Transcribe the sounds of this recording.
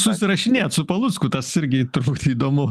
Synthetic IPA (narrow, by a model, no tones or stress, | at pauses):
sʊssʲɪɾɐʃʃʲɪnʲeːt̪sʊpɐlˠʊskʊt̪ɐsɪɾʲɡʲɪt̪ɾuːkt̪iːd̪oːmʊ